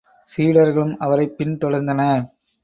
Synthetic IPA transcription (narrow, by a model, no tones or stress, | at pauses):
siːɽɐɾɣɐɭɯmɐʋɐɾɐɪpːɪnt̪ɔɽɐɾnd̪ɐnɐ